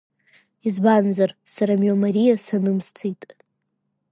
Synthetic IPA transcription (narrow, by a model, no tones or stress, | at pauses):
izbanzarsaɾamjomaɾijasanɨmst͡sʰitʼ